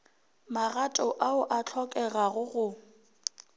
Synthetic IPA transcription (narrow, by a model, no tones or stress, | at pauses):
maɣatʼɔʔaʊʔat͡ɬʰɔkʼɛɣaɣʊɣʊ